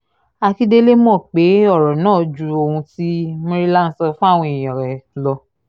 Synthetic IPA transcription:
a˧ki˦de˦le˦m˦ɔ̃˦˨k͡pe˨˦ɔ˦˨ɾɔ˨nãː˦˨d͡ʒu˨˧o˧hũ˧ti˦mĩ˧˦ɾi˦la˦n̩˦sɔ˧fũ˦a˦˨w̃ɔ̃˧i˨j̃ɔ̃˨ɾɛ˨lɔ˧

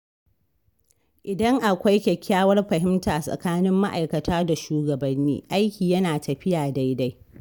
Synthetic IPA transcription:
ʔɪ˨dɐ˦ŋʔa˨kʷa˦jkʲɛ˨kʲʰːaː˦wɐ˦rɸɐ˨hɪ˦mtaː˨sʼɐ̰˨kaː˦nɪ˦mːa˦ʔa˨jkɐ˨tʰaː˦da˨ʃuː˦ɡɐ˨bɐ˨nːḭː˦ʔa˦jkʲiː˨jɐ˦naː˨tɐ˨ɸɪ˦jaː˨da˦jda˦j

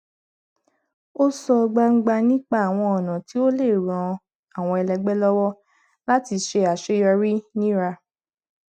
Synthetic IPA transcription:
o˦sɔ˧ɡ͡ba˧ŋ̩˦ɡ͡ba˧nĩ˦k͡pa˦˨a˨w̃ɔ̃˧ɔ˨nã˨ti˨˦o˦le˦˨ɾ̃ɔ̃˧ | a˨w̃ɔ̃˧ɛ˧lɛ˧ɡ͡bɛ˦lɔ˦wɔ˦ | la˦ti˧ʃe˧a˨ʃe˨˦jɔ˧ɾi˦nĩ˦ɾa˧

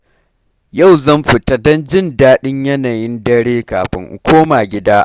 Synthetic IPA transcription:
ja˦˨wzɐ˦˨mɸɪ˨ta˦dɔ˦nd͡ʒɪ˦ndaː˦ɗɪ˦ɲjɐ˦naː˨jɪ˦ndɐ˦ɽeː˦kaː˨ɸɪ̰˦ŋʔ̩˨kʷʰoː˦maː˨ɡʲɪ˦daː˦ʔ

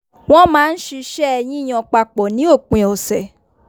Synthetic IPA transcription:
w̃ɔ̃˦mãː˦n̩˦ʃi˧ʃɛ˦ɛ˧j̃ĩ˦i˦˨j̃ɔ̃˧˨k͡pa˧k͡pɔ˨nĩ˨˦o˦˨k͡pẽ˨ɔ˨sɛ˨

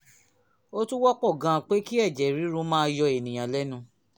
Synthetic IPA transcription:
o˦tũ˦wɔ˦k͡pɔ˦˨ɡã˧˨k͡pe˦ki˦ɛ˦˨d͡ʒɛ˨ɾi˨˦ɾũ˧˦mãː˦jɔ˧e˨nĩ˨j̃ã˨lɛ˦nũ˧˦

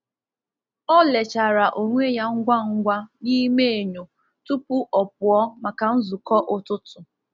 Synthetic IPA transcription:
ɔ˦le˨t͡ʃa˨ɾa˨ʔo˨ŋʷe˦ja˦ŋ̩˦ɡʷa˦ŋ̩˦ɡʷa˦ni˦me˦e˨ɲo˨ | tu˦pʊ˦ʔɔ˨p̚ʊ˨ɔ˦ma˨ka˨n̩˦zʊ˨kɔ˦ʔʊ˦tʊ˦tʊ˨

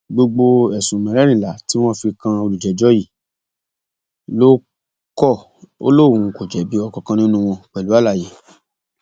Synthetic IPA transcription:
ɡ͡bo˧ɡ͡bo˧ɛ˨sũ˨mɛ̃˨ɾɛ˦ɾ̃ĩ˨la˨˦ti˦w̃ɔ̃˦fi˧kã˧o˧lu˨d͡ʒɛ˨d͡ʒɔ˦ji˦˨ | lo˦ | kɔ˦˨ | o̰˦lo˦˨wũ˨˧ko˨d͡ʒɛ˨˦bi˨˦ɔ˧kɔ˧kã˧nĩ˦nũ˦˧w̃ɔ̃˧k͡pɛ˨lu˦a˦la˦˨je˨˦

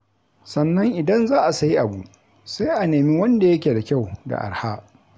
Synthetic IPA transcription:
sɐ˨nːɐ˦ŋʔɪ˨dɐ˦nzaː˦ʔa˨sɐ˦ji˦ʔa˨bu˨ | sa˦jʔa˨neː˨mi˦wɐ˦nda˨jɐ˦kʲeː˨da˨kʲa˦˨wda̰˨ʔa̰˨ɾhaː˦

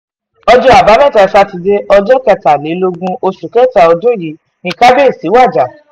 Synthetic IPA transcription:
ɔ˧d͡ʒɔ˧˦a˨ba˨˦mɛ̃˦˨ta˨ɛ˧fa˧ti˧de˦ɔ˧d͡ʒɔ˦kɛ˧ta˨le˨˦lo˧ɡũ˧o˧ʃu˨kɛ˦˨ta˨ɔ˧dũ˦ji˨˦ | nĩ˧ka˦be˦˨si˨˦wa˦˨d͡ʒa˨

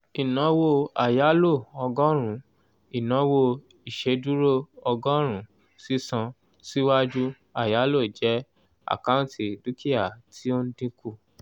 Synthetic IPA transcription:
i˨nã˨˦wo˧a˨ja˨˦lo˦˨ɔ˧ɡɔ˦ɾ̃ũ˨˦ | i˨nã˨˦wo˧ | i˨ʃe˨˦du˦ɾo˦ɔ˧ɡɔ̃˦ɾ̃ũ˨˦ | si˦sã˧ | si˦wa˦d͡ʒu˦ | a˦˨ja˨˦lo˦˨d͡ʒɛ˨˦ | a̰˨kã˦ti˨du˨˦kʰi˦a˨tʰi˦o˦n̩˦dĩ˦ku˦˧

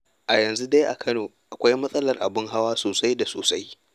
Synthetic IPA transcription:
ʔa˨jɐ˨nzu˦da˦jʔa̰˨kʰɐ˦noː˨ʔʔa˨kʷa˦jmɐ˦sʼɐ˦lɐ˨rʔa̰˨bɪ˦ŋɦa˦waː˦soː˨sa˦jda˨soː˨sa˦j

